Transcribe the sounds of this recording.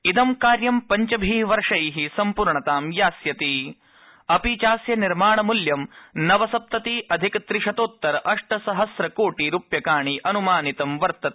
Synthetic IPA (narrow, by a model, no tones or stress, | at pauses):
id̪ɐmkaːɾjɐmpɐɲt͡ʃɐbʱiːʋɐɾʂɐjɦisɐmpuɾɳɐt̪aːmjaːsjɐt̪i | ɐpit͡ʃaːsjɐniɾmaːɳɐmuljɐmnɐʋɐsɐp̚t̪ɐt̪iʔɐd̪ʱikɐt̪ɾiʂɐt̪oːt̪ːɐɾɐʔɐʂʈɐsɐɦɐsɾɐkoːʈiɾupjɐkaːɳiʔɐnumaːnit̪ɐmʋɐɾt̪ɐt̪